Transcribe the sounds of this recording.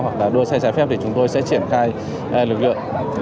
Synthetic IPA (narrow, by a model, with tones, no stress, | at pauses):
hwa˨˩k̚laː˨˩ɗu˧əsaː˧jt͡ɕaː˨˦jfɛ˦˥p̚t̪ʰi˨˩t͡ɕʊ˨˦ŋ͡mt̪o˧jsɛ̰˧˥t͡ɕi˧˩ənxaː˧j | lɨ˨˩k̚lɨ̰˧˨əŋ